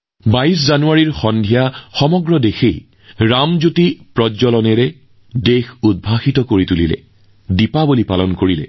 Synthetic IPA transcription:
baiszanuaɹiɹxɔndʱijaxɔmɔɡɹɔdexej | ɹamzutipɹɔzɔlɔnɛɹɛ | dexud̚bʱaxitɔkoɹitulḭlɛ̰ | dipabulipalɔnkoɹilɛ̰

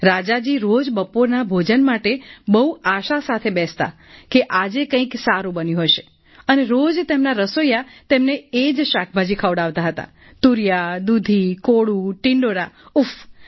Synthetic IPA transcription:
ɾad͡ʒad͡ʒiɾod͡ʒbəpoɾnabʱod͡ʒənmaʈebəuaʃasat̪ʰebɛst̪a̰ | keʔad͡ʒekə̃ĩksaɾũbənjũɦojʃe | əneɾod͡ʒt̪emnaɾəsojat̪emneed͡ʒʃak̚ʰbʱad͡ʒikʰaʋɽaʋt̪aɦət̪a̰ | t̪uɾijad̪ud̪ʱikoɽũʈɪɳɖoɽauf

